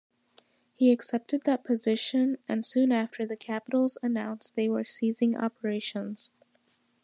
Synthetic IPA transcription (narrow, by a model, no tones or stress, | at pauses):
hiɨksɛp̚tɨd̪̚ðət̚pʰɨzɪʃɨ̃nɨ̰̃nsʉ̃næftʰə˞ðɨkʰæpəɾl̩ˠzənãʊ̃nsðeɪwə˞sizɪ̃ŋʔɑ̰pə˞eɪʃə̃nz̥